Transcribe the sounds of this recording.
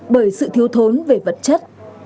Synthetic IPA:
ɓəː˧˩jsɨ̰˧˨t̪ʰi˨˦əwt̪ʰo˨˦nve˨˩və̰˧˨t̚t͡ɕə˦˥t̚

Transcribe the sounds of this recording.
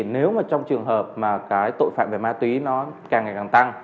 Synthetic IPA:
ne˨˦wmaː˨˩t͡ɕɔ˧wŋ͡mt͡ɕɨ˨˩əŋɦəː˨˩p̚maː˨˩kaː˨˦jt̪o̰˧˨jfa̰ː˧˨mve˨˩maː˧t̪wi˨˦nɔ˨˦kaː˨˩ŋːa˨˩kaː˨˩ŋt̪a˧ŋ

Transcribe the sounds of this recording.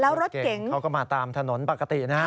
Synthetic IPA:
lɛː˦˥wɾo˦˥t̪̚k̚ke˨˩˦ŋka˦˥wkɔ˧˥˩maː˧t̪aː˧mt̪ʰa˧no˩˦npa˨˩ka˧t̪i˨˩naː˦˥

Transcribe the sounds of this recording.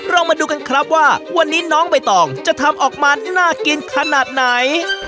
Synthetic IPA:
ɾɔː˧ŋmaː˧duː˧ka˧nkʰɾa˦˥p̚waː˥˩wa˧nːiː˦˥nɔː˦˥ŋpa˧jt̪ɔː˨˩ŋt͡ɕa˨˩t̪ʰa˧mʔɔː˨˩k̚maː˧naː˥˩ki˧nkʰa˧naː˨˩t̪̚na˨˩˦j

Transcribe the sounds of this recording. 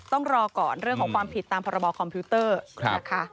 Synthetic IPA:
t̪ɔ˥˩ŋɾɔː˧kɔː˨˩nɾɯ˥˩əŋkʰːŋkwaː˧mpʰi˨˩t̪ːaː˧mpʰɔː˧ɾa˧bɔː˧kʰɔ˧mpʰiː˦˥t̪ɤ̰ː˥˩a˦˥kʰa˦˥

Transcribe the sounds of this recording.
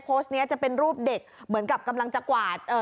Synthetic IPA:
pʰoː˦˥st̪̚ni˦˥ɐt͡ɕa˨˩pe˧nɾuː˥˩p̚de˨˩k̚mɯ˩˦ənka˨˩p̚ka˧mla˧ŋt͡ɕa˨˩kwaː˨˩t̪̚ʔəː˨˩

